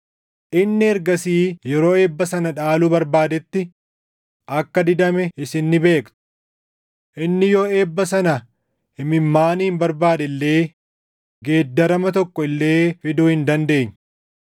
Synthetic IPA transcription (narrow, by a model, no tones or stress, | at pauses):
ʔɪnːɪɛɾɡɐsiːjɛɾo̞ːeːbːɐsɐnɐᶑaːlubɐɾbaːd̪ɛt̪ːɪ | ʔɐkːɐd̪ɪd̪ɐmɛɪsɪnːɪbe̞ːkt̪ʊ̥ | ʔɪnːɪjoːeːbːɐsɐnɐ | hɪmɪmːaːniːmbɐɾbaːd̪ɛlːe̞ː | ɡe̞ːd̪ːɐɾɐmɐt̪ɔkːɔɪlːe̞ːfɪd̪uːhɪnd̪ɐnd̪e̞ːɲː